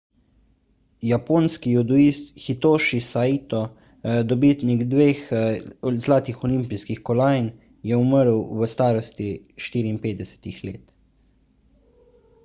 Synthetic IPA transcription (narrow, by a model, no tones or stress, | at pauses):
japoːnskijud̪uist̪xit̪oːʃisait̪ɔ | d̪ɔbit̪niɡd̪ʋeːx | zlaːt̪ixɔlimpiskixkɔlaːjn | jɛuməɾwʋəst̪aːɾɔst̪iʃt̪iːɾiːnpeːd̪̚d̪ɛsɛ̥t̪ixleːt̪